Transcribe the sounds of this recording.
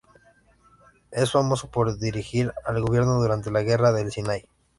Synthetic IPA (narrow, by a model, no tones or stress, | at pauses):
e̞sfamo̞so̞po̞ɾðiɾixiɾalɣo̞βje̞ɾno̞ðuɾant̪e̞laɣ̞e̞raðe̞lsinaj